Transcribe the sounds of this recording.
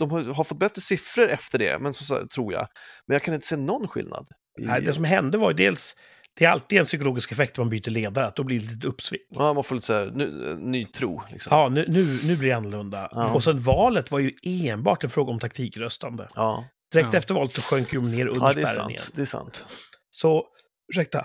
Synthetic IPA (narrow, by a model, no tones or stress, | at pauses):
d̪̥ɔmhaɦaɾfɔt̪̚bɛt̪ːɾəsɪfɾəɾɛft̪əɖɛ̰mɛnsɔst̪ʰɾuːɾja̰mɛnjakʰanɪnt̪ə̥seːnɔnːɧɪ̰lna̰d̪ | æd̪ɛsɔmɦɛnd̪əvajɵd̪eːls | d̪̥ɛæɾa̰lt̪iːd̪ɛnsʏkɔloːɡɪskɛfɛkt̪æɾmanbyːt̪əɭeːd̪aɾəat̪̚d̪ɔblilit̪əɵpːsvɪ̰ŋːmanfoɾlit̪əsːnːyːt̪ʰɾṵːlɪ̰ksɔɑːnʉːnʉ̟ːnʉ̟blɪɾjɪanːɔlɵnd̪a̰ɔsɛnvɑːlət̪vaɾjɵeːnbɑ̰ːʈɛnfɾoːɡaɔmt̪ʰakt̪ʰiːkɾœst̪and̪ə̰d̪̥ɪɾɛktt̪ɛft̪əɾvɑːlət̪sɔɧœŋkjɔmneːɾʔɵnəɾd̪ɛæ̰ɾnɪ̰ŋə̰nd̪ɛsa̰nt̪ | sɔ | fʉʂɛk̚t̪a̰